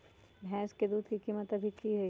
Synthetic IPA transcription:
bʱɛ̃ːsked̪uːd̪ʱkikiːmət̪ɐbʱikiɦɛ

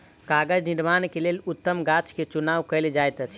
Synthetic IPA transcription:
kaɡəd͡ʒniɾmankelelut̪ːəmɡat͡ʃket͡ʃunawkəld͡ʒajt̪ət͡ʃʰi

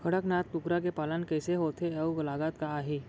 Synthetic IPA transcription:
kʰəɽəknaːt̪pʊkɾakepaːlənkəːseɦoːt̪ʰeɐuɡlaːɡat̪kaaːɦiː

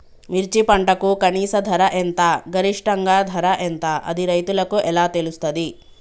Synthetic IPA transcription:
miɾt͡ʃipɐɳʈɐkukɐniːsɐd̪ʱɐɾɐʔɛnt̪aːɡʱɐɾiʂʈɐŋɡaːd̪ʱɐɾɐʔɛnt̪aːʔɐ̰d̪iɾɐjt̪ulɐkuʔɛlaːt̪elust̪ɐd̪i

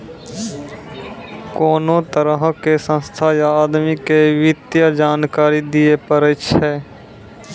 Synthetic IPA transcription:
koːnõːt̪əɾəɦkesə̃nst̪ʰajaːd̪mikeʋɪt̪jad͡ʒaːnkaːɾid̪ɪepəɾət͡ʃʰɛː

